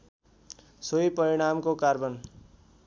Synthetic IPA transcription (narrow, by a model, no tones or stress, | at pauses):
sojpʌɾiɽ̃amkokarbʌn